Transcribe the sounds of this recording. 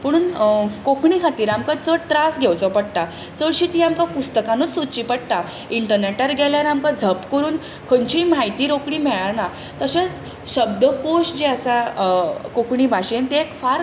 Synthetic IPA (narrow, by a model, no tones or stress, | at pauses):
pəɽ̃uːnkokʰɳikʰat̪iːɾamkat͡səɽt̪ɾasɡʱewt͡sɔpəɽt̪a | t͡səɭɕiːt̪iːamkapust̪əkãnut͡ssut̪t͡ɕiːpəɽt̪a | iɳʈəɾneʈəɾɡʱɛljaɾamkad͡zʱəpkəɾuːn | kʰəɲt͡ɕiːmajt̪iːɾokɽiːmɛɭana | t̪əɕet͡s | ɕəb̚d̪əkoɕʈd͡ʑeəsa | kokʰɳiːbʱaɕent̪eekfaɾ